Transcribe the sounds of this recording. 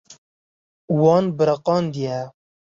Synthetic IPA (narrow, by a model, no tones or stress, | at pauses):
wɑːnbɨɾaqɑːnd̪ijɛ